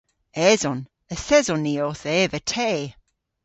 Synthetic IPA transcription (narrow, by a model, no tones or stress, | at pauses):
ɛzɔn | əsɛzɔnːioːθɛvətʰeː